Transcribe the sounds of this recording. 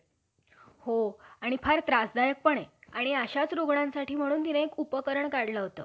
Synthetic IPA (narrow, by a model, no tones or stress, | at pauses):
hoaɽ̃ipʰaɾt̪ɾasd̪ajək̚pəɳeaɽ̃iaɕat͡sɾoɡɳãnsaʈʰiːm̤əɽ̃uːnt̪inəekupəkəɾəɳkaɽləɦot̪ə̰